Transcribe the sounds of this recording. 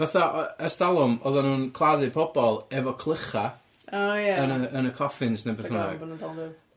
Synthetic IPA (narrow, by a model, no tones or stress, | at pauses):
vaθaʔəstalˠʊmɔðanuːnkʰlˠaðɨpʰɔbɔlˠɛvɔkʰlˠəχa | ajaənəːnəkʰɔfɪnsnebɛθθuna̰ɔnudɔlˠdu